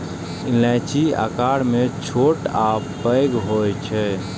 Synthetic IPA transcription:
ilɛ̃t͡ʃia̰kaɽmet͡ʃʰoʈa | pəɪɡɦojt͡ʃʰɛ

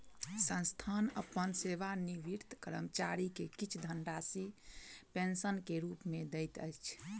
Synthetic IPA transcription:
sə̃nst̪ʰanə̰pːənseʋaniʋiɾt̪ʰkəɾə̰mt͡ʃaɾikekit͡ʃʰd̪ʱənɖasipensənkeɾupmed̪əjt̪ə̰jt͡ʃʰ

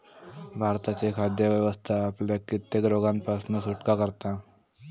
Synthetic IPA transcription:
bʱaɾt̪at͡sekʰad̪jəʋjəʋəst̪ʰaːpljakit̪ːeɡɾoɡanpasnəsuʈkakəɾt̪a

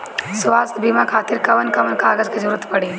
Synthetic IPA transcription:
sʋaːst̪ʰbiːmakʰaːt̪ɪɾkɐʋənkɐʋənkaːɡəzkezɐɾuːɾət̪pɐɽiː

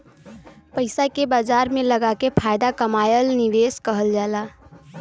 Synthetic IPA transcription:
pəɪsakebad͡ʒaɾmeləɡakepʰajd̪akəmajəlniʋeskəɦəld͡ʒala

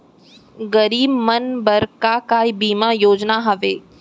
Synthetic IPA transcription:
ɡɐɾiːbmɐnbɐɾkakaːibiːmajoːd͡ʒnaɦɐʋeː

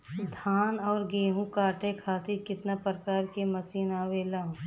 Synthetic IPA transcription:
d̪ʱaːnɔːɾɡeːɦũkaːʈekʰaːt̪ʰikɪt̪napɾkaːɾkiməsiːnaːweːlaː

